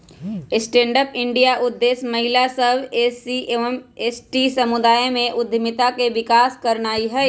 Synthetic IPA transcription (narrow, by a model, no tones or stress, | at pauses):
ɪsʈẽːɳɖəpɪ̃ɳɖijaʔʊd̪ːeːsmɐɦɪlasəbesiemeːsʈisɐmʊd̪aːjmẽʔʊd̪ʱmɪt̪akeʋɪkaːskɐɾnaːiɦɛ